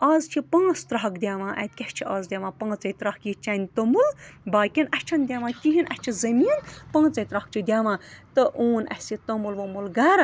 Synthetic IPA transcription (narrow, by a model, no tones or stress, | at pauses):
aːzt͡ʃʰipãːst̪ɾɐɦɐkd̪ʲjaːmãːʔɐ̰t̪̚kʲɐʃt͡ʃʰiaːzd̪ʲjaːmãːpɐ̃ːt͡sɐjt̪ɾɐhkjit͡ʃanʲt̪ɐmulbaːkʲinɐt͡ʃʰɐnd̪ʲjaːmãːkʲiɦinʔɐt͡ʃʰizɐmiːnpɐ̃ːt͡sɐjt̪ɾɐhk̚t͡ʃʰid̪ʲaːmãːt̪ɨʔoːnɐ̰sit̪ɐmulʋɐmulɡɐːɾ